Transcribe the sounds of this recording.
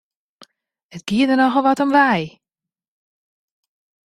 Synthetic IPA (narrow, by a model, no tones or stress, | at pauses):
ətɡ̥iədənɔxəlˠʋɔtɔmʋɛj